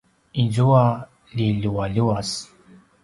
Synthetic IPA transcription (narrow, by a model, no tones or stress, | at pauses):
inzuwa | liluwaluwas